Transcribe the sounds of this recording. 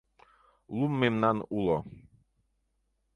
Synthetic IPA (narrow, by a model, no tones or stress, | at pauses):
lumːemnanulɔ